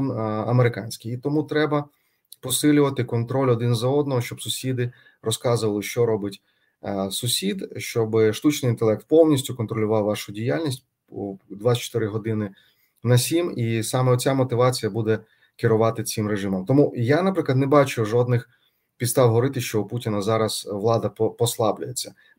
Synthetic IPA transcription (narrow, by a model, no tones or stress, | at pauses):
nɐmeɾɪkɑnʲsʲkʲijit̪ɔmut̪ɾɛbɐ | pɔsɪlʲʊʋɐt̪ɪkɔnt̪ɾɔlʲɔd̪ɪnzɐɔd̪nɔɦɔʃt͡ʃɔbsʊsʲid̪ɪ | rɔskɑzʊʋɐlˠɪʃt͡ʃɔɾɔbɪtʲ | sʊsʲid̪ʃt͡ʃɔbʃt̪ut͡ʃnɪjint̪elˠɛk̚t̪̚pɔwnʲisʲtʲʊkɔnt̪ɾɔlʲʊʋɑwʋɑʃʊdʲijalʲnʲisʲt̚ʲ | d̪ʋaɐt͡ʃɔ̥t̪ɪɾɪɦɔd̪ɪnɪ | nɐsʲimisɑmɛɔt͡sʲamɔt̪ɪʋɑt͡sʲijɐbud̪ɛ | kɪɾʊʋɑt̪ɪt͡sʲimɾeʒɪmɔmt̪ɔmujanɐpɾɪklˠɐd̪nɛbɑt͡ʃʊʒɔd̪nɪx | pʲid̪st̪ɑwɦɔɾɪt̪ɪʃt͡ʃɔuputʲinɐzɑɾɐsʋlˠɑd̪ɐpɔslˠɑblʲʊjet͡sʲːɐ